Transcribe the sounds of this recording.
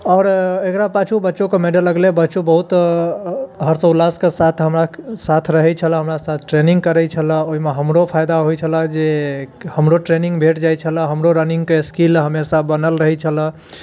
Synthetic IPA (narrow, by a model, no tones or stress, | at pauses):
ɔːɾekɾapat͡ʃʰubətːʃokemeɖəlːəɡlebətːʃobəɦut̪ | ɦəɾsəulaskesat̪ʰɦəmɾasat̪ʰɾəɦɛt͡ʃʰələ̃ɦəmɾasat̪ʰʈɾeniŋɡkəɾɛt͡ʃʰələ̃oɦimeɦəmɾopʰajd̪aɦojt͡ʃʰələd͡ʒehəmɾoʈɾeniŋɡbʱeʈd͡ʒajt͡ʃʰələ̃ɦəmɾoɾəniŋɡkeskilɦəmesabənəlɾəɦɛt͡ʃʰələ̃